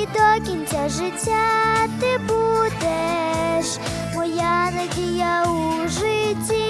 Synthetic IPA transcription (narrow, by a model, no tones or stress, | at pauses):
d̪ɔkʲinʲt͡sʲɐʒɪtʲːat̪ɪbud̪ɛʃ | mɔjanɐdʲijauʒɪtʲi